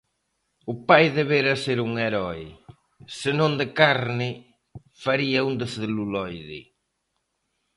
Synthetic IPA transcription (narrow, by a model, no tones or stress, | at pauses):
ʊpajðeβeɾɐseɾuŋeɾɔɪ | sɪnõnd̪ɪkaɾnɪ | faɾiɐund̪ɪsðɪlulɔjðɪ̰